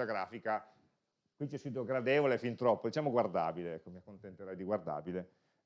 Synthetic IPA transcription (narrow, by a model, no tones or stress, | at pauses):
aɡɾaːfika | kwit͡ʃɛsid̪oɡɾad̪eːvolefint̪ɾɔpːod̪it͡ʃaːmoɡward̪a̰ːbileɛkːomiakːont̪ent̪eɾɛjd̪iɡward̪a̰ːbile